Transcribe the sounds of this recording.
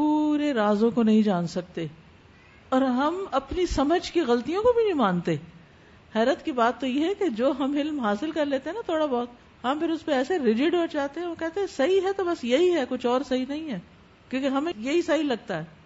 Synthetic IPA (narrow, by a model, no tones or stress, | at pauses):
puːɾeɾaːzõkonɐɦĩd͡ʒaːnsɐk̚t̪e | ɔːɾɦɐmɐpnisɐməd͡ʒkiɣɐlt̪ijõkobʱinɐĩmãːnt̪e | hɛːɾət̪kibaːt̪ːojeɦɛked͡ʒoːɦɐmɪlmɦaːsɪlkɐɾleːt̪eɦɛ̃nat̪ʰoːɽabɔːt̪ | ɦɐ̃mpʰɪɾʊspeɛːseɾɪd͡ʒɪɖot͡ʃaːt̪eɦɛ̃ʋokɛɦt̪eɦɛ̃sɐɦiɦɛt̪obɐsjɐɦiɦɛkʊt͡ʃʰɔːɾsɐɦinɐɦĩɦɛː | kjõːkeɦɐmẽjɐɦisɐɦilɐɡ̚t̪aɦɛː